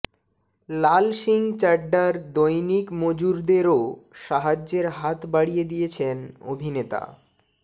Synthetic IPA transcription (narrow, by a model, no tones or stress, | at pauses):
lalʃiŋt͡ɕaɖːaɾd̪ojnikmod͡ʑuɾd̪eɾoʃaɦad͡ʑːeɾɦat̪baɽijed̪ijet͡ɕʰeno̰bʱinet̪a̰